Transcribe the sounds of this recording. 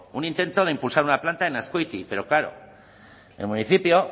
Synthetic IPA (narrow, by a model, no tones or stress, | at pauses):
unint̪e̞nt̪o̞ð̞e̞impulsaɾunaplant̪aenaskojt̪ipe̞ɾo̞klaɾo̞̰ | elmuniθipjo̞